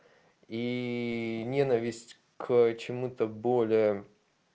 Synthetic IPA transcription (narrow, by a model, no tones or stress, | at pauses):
i | nʲenəvʲɪsʲtʲ | kt͡ɕɪmut̪əbolʲɪjə